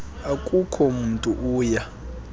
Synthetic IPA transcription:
akʼukʰɔmuntʼuʔuːja

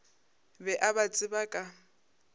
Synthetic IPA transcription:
bɛʔabat͡sʼɪbakʼa

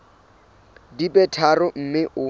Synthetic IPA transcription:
dibʼɛtʰarʊm̩mɪʔʊ

